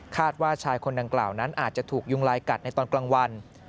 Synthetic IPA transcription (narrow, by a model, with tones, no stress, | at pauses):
kʰaː˥˩t̪̚waː˥˩t͡ɕʰaː˧jkʰo˧nda˧ŋkla̰ː˨˩wna˦˥nʔaː˨˩t̪̚t͡ɕa˨˩t̪ʰuː˨˩k̚ju˥˩ŋlaː˧jka˨˩t̪̚na˧jt̪ɔː˧nklaː˧ŋwa˧n